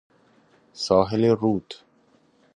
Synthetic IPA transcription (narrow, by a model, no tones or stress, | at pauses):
sɔːɦɪleɾuːt̪